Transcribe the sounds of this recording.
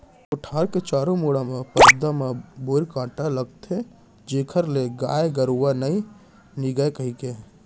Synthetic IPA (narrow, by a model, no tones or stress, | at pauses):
ʊʈʰaːɾket͡ʃaːɾõmuːɽamepəd̪amẽboːɾkãːʈaləɡt̪ʰe | d͡ʒeːkʰəɾleɡaːeɡəɾuwanəĩ | niɡəekəɦike